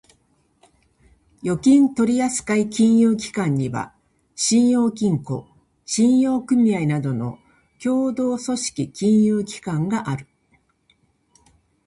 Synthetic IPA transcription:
jo̞kʲĩnt̪o̞ɾʲijasɨ̥kaikʲĩɰ̃jɯːk̬ʲi̥kãɲ̟ːiβa̰ | ɕĩɰ̃jo̞ːk̬ʲĩŋko̞̰ | ɕĩɰ̃jo̞ːkɯ̟mʲiainad̪o̞no̞̰ | kʲo̞ːd̪o̞ːso̞ɕi̥kʲikʲĩɰ̃jɯːkʲi̥kãŋɡaʔaɾɯ̟̥

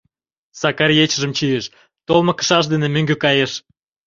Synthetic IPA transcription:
sɑkɑrjet͡ɕəʒə̆mt͡ɕijeʃ | t̪olmɤ̆kə̥ʃɑʃ̬d̪enemøŋɡøkɑjeʃ

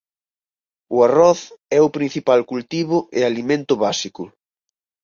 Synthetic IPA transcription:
ʊarɔθɛʊpɾin̟θipalkult̪iβʊʔɪalimẽnt̪ʊβasikʊ

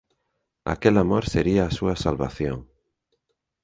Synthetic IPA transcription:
a̰kelamoɾseɾiaːsuasalβa̰θjo̰ŋ

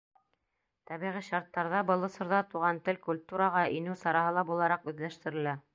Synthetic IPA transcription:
t̪ɑβiʁiʃɑɾt̪ːɑɾðɑbɤ̆lˠɤ̆sɤ̆ɾðɑt̪uʁɑnt̪ɘlkulʲt̪uɾɑʁɑʔinɘwsɑɾɑɦɤlˠɑbulˠɑɾɑqʉðlæʃt̪ɘ̆ɾɘ̆læ

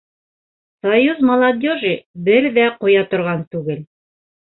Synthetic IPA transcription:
sɐjuzmɐlˠɐd̪ʲoʒibɘɾðæqŏjɑt̪ŏɾʁɑnt̪ʉɡɘl

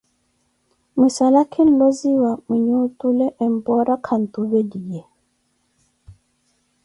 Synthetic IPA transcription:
misalakʰin̩lɔziwamiɲutulɛʔɛmpɔɾakʰan̩tuβɛdijɛ

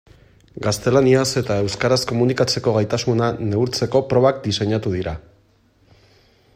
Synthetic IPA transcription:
ɡast̪e̞laniase̞t̪ae̞wskaɾasko̞munikat͡se̞ko̞ɣajt̪asunane̞uɾt͡se̞ko̞pɾo̞βak̚d̪ise̞ɲat̪uðiɾa

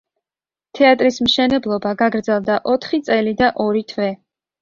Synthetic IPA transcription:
t̪ʰɛat̪ʼɾismʃɛnɛblˠɔbaɡaɡɾd̪zɛlˠd̪aʔɔt̪ʰχit̪sʼɛlid̪aʔɔɾit̪ʰvɛ

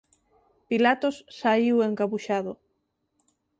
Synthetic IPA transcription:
pilat̪osːaiweŋkaβuʃaðo

